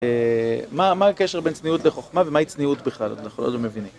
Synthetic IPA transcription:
emamakeʃebent͡sniutleχoχmavemait͡sniutbiχlalo̰dlaχolo̰tlomevinim

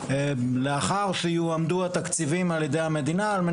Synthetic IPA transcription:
leaχaʁʃijuamd̪uat̪akt͡sivimaljed̪e̞jhame̞d̪inaːlme

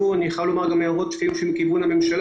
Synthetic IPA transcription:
uniχalomaʁɡameoʁott̪fiimʃimkivunhame̞mʃal

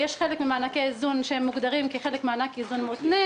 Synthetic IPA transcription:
jeʃχelekmimaːnakeizunʃehemːuɡd̪aʁimkiχelekmeanakizunmot̪ne

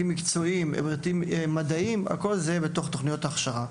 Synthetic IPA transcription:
imːikt͡so̞im̰bʁit̪immad̪aima̰ko̞lzebet̪o̞χt̪o̞χnijo̞t̪aːχʃaʁa

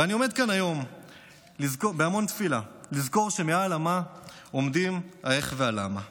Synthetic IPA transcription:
veanio̞me̞d̪̚kanajo̞m | lizkobeamo̞nt̪filalizko̞ʁʃe̞mealama | omd̪imaeχveala̰ma̰

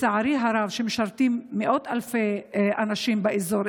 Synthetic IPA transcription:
saʕaɾiɦaɾavʃemeʃaɾt̪imːeʔot̪alfeʔanaʃimbeʔizoɾ

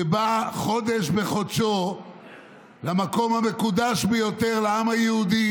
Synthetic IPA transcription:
ebaχo̞d̪e̞ʃbe̞χodʃo̞ | lamako̞mhame̞kud̪aʃbejo̞t̪e̞ʁleamhajeud̪i

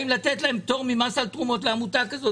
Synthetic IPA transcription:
imlat̪et̪lae̞mt̪o̞ʁmimasalt̪ʁumo̞t̬leamut̪akazo

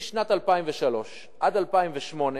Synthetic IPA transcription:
ʃnat̪alpaimveʃalo̞ʃ | ʔadalpaimveʃmo̞ne

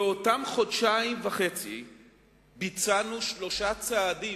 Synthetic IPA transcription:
eotamχodʃaimvaχet͡sḭ | bit͡sanuʃlo̞ʃat͡saːdi

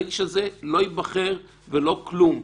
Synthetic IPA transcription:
ɡiʃazelo̞ibaχeʁ | velo̞klum

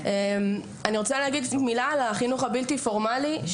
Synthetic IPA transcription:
em | aniʁo̞t͡saleaɡid̪milalaχinuχabilt̪ifo̞ʁmaliʃ

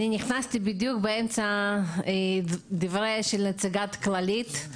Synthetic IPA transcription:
ninʲɪχnasʲt̪ʲɪbid̪jukbeɛmt͡sɐ | d̪ivɾeʃɪlʲnet͡sɪɡat̪klɐlʲit̪

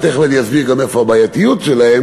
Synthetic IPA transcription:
t̪eχvenjasbiʁɡamefohabaːjat̪ijutʃelahem

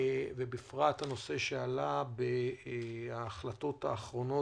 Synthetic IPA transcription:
vebifʁat̪hano̞se̞ʃealabe | aːχlat̪o̞t̪haːχʁo̞no̞

